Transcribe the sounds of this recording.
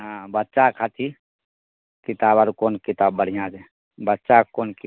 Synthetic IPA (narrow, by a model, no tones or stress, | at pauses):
ɦãbətːʃakʰat̪ʰi | kɪt̪aːbaɾkoːnkit̪aːbːəɽ̤ijãd͡ʒe | bətːʃakoːnk